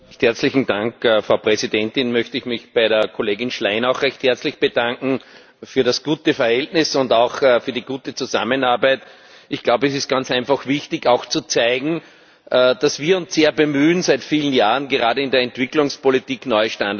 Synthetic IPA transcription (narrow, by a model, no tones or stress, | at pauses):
çthɛɐt͡slɪçn̩dãŋkːfʁ̥ɑʊpʁɛzidɛntɪnmœçtəɪçmɪçb̥aɪɾeːɐkʰoleːɡɪnʃlaɪnaʊxʁɛçthɛɐt͡slɪçb̥əd̥ãŋkŋ̩ | fyːɐɾasɡ̥uːtəfɛɐhɛltnɪsʊndɑʊxfyːɐdiɡuːtət͡suza̰mənaɐbæɪt | ɪçɡ̥laʊbəɛsɪst̚ɡ̥ant͡sʔæ̃ɪnfaxv̥ɪçtɪçɑʊxt͡sut͡saɪɡŋ̩ː | d̥asv̥iːɐʊ̃nsz̥eːɐbəmyːnzæɪtfiːlən̩jaːʁənɡəʁaːdəɪndeːɐɛntv̥ɪklʊŋspʰolitiːknɔʏəʃtãnd